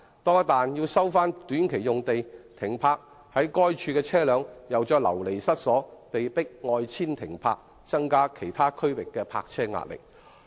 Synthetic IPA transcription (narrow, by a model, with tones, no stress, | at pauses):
t̪ɔː˥ŋɐ˥t̪aː˨njiː˧wsɐ˥wfaː˥nt̪yː˨˥nkʰe˨˩jʊ˨ŋt̪e˨jt̪ʰɪ˨˩ŋpʰaː˧k̚ | hɐ˨˥jkɔː˥jt͡ʃʰyː˧kɛː˧t͡sʰɛː˥lœː˨˧ŋjɐ˨wt͡ʃɔː˧˥lɐ̰˨˩wle˨˩jsɐ˥t̚sɔː˨˥pe˨jpɪ˥k̚ŋɔː˧jt͡sʰiː˥nt̪ʰɪ˨˩ŋpʰa̰ː˧k̚ | t͡sɐ˥ŋkaː˥kʰe˨˩jt̪ʰaː˥kʰɵ˥ɥwɪ˨kːɛː˧pʰa̰ː˧k̚t͡sʰɛː˥ŋa̰ː˨t̚lɪ̰˨˩k̚